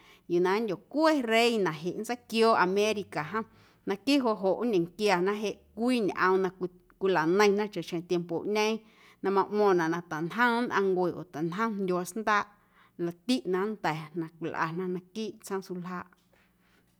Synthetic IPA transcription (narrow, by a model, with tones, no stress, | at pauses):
ju˨nã˨˦ndʲo˨kʷe˦ɾe˦jnã˨ʔɦe˨ʔnt͡sə˦kjoː˦ʔa˧mẽ˦ɾi˧ka˨ɦə̃˦ | nã˧kiː˦ʔɦo˧ʔɦo˨ʔɲẽ˨ŋkja˧˨nã˦ɦe˧ʔkʷiː˦˨ɲʔə̰̃˧m˧nã˧ | kʷi˧la˨nə̃˧j̃nã˦t͡ʃa˨ʃẽ˧t̪je˧mpo˨ʔɲə̃˦ | nã˧mã˧ʔmɔ̃ː˧˨nã˨ʔnã˧t̪a˨nɦə̃˦nʔã˧ŋɡwe˨ʔo̰˨t̪a˨nɦə̃˦ndʲo˧a˧snd̪aː˦ʔ | la˧˨t̪i˦ʔnã˧˨nt̪ɛ˨nã˧kʷi˨lʔa̰˨nã˦nã˧kiː˦ʔt͡sə̃˦su˧lɦaː˦˧ʔ